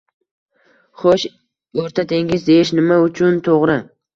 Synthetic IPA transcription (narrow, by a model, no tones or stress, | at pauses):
χoʃ | oɾt̪ʰat̪ʰe̞ŋɡʲɪzd̪e̞ɪʃnɪmaʊt͡ʃʰʊnt̪ʰoʁɾɪ